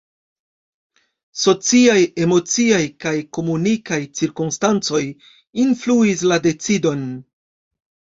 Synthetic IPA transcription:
so̞t͡siaje̞mo̞t͡siajkajko̞munikajt͡siɾkumstant͡so̞j | influis̬lade̞t͡sido̞n

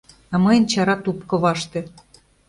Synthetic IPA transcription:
ɑmɤjə̆nt͡ɕɑɾɑt̪upkɤ̆βɑʃt̪ĕ

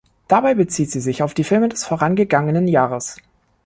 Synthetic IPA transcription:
d̥abaɪbət͡siːtz̥iːzɪçaʊfd̥iːfɪlmədɛsfoːɐʁanɡəɡaŋənənjaːʁəs

